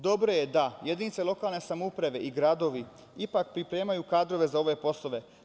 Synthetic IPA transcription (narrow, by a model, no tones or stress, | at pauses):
d̪o̞bɾoje̞d̪ajed̪init̪selo̞kaːlˠne̞samoupɾaʋe̞ʔiɡɾad̪o̞ʋi | ipak̚pɾipɾe̞ːmajukaːd̪ɾo̞ʋe̞zao̞ʋe̞po̞slˠo̞ʋe̞